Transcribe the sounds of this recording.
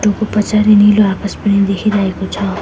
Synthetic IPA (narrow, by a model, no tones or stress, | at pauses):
ʈokopʌt͡saɾiniloakaspʌnid̪ekʰiɾaɦekot͡sʰʌ